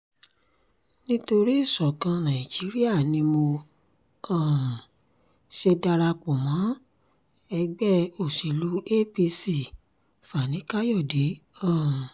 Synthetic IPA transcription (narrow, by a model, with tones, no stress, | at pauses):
nĩ˦to˧ɾi˦i˦˨sɔ˨kã˧nã˨i˨d͡ʒi˨˦ɾi˦a˦˨nĩ˧˦mo˧ | ã˦˨ | ʃe˧da˧ɾa˧k͡pɔ˨mã˨˦ | ɛ˧ɡ͡bɛ˦o˨si˨lu˨˦e˦pi˧si˨ | fa˨nĩ˨˦ka˦jɔ˦˨de˨˦ã˦˨